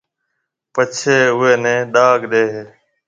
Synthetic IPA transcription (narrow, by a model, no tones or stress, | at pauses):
pət͡ʃʰeːʊeːnẽːɗaːɡɗeːɦeː